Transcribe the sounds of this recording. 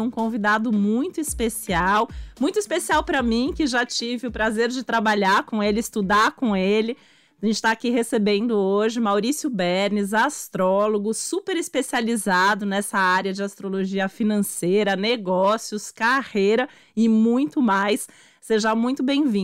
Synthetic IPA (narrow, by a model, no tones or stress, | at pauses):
ũkõvid̪ad̪ʊmũj̃t̪ʊispesiawmũj̃t̪ʊispesiawpɾɐmĩkɪʒat͡ʃivɪʊpɾazeɾd͡ʒɪt̪ɾabaʎaɾkõelɪːst̪ud̪aɾkõelɪ | ʒẽt͡ʃɪ̥t̪aːkihesebẽnd̪ʊoʒɪmawɾisjʊbɛɾnɪzast̪ɾɔloɡʊsupeɾɪspesializad̪ʊnɛsɐaɾjɐd͡ʒɪast̪ɾoloʒiɐfinɐ̃sejɾɐneɡɔsjʊskahejɾɐ | ɪmũj̃t̪ʊmajsː | eʒɐmũj̃t̪ʊbẽj̃vĩ